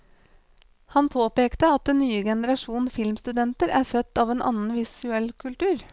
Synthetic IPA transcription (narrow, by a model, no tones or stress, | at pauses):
hɑnpʰoːpeːkt̪əɑt̪̚d̪ɛnːyːəɡɛnəɾɑʂuːn̩fɪlmst̪ʉd̪ɛnt̪əɾæːɾfœt̪ːɑːʋeːnʔɑ̰ːnən̩ʋɪsʉɛlkʰʉlt̪ʉːɾ